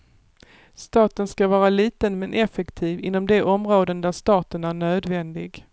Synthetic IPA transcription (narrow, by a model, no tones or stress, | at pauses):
st̪ɑːt̪ənskavɑːɾaliːt̪ənmɛnʔɛfɛkt̪ʰiːvɪ̰nːɔmd̪ɛʔɔmɾoːd̪ənd̪æɾʂt̪ɑːt̪ənæɳøːd̪vɛnd̪ɪɡ